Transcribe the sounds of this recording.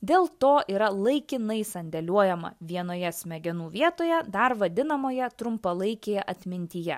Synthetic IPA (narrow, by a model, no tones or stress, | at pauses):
d̪ʲeːlˠt̪oːʔiːɾɐlˠɐɪkʲɪnɐɪsɐnʲd̪ʲɛlʲuɔjɛmɐ̰ʋʲiɛnoːjɛsʲmʲɛɡʲɛnuːʋʲiɛt̪oːjɛd̪ɐɾʋɐd̪ʲɪnɐmoːjɛt̪ɾʊmpɐlˠɐɪkʲeːjɛʔɐt̪ʲmʲɪnʲt̪ʲijɛ̰